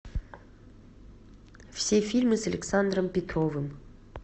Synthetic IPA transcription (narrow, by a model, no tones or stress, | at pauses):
fsʲefʲilʲmɨsɐlʲḛksand̪rəmpʲet̪rovɨm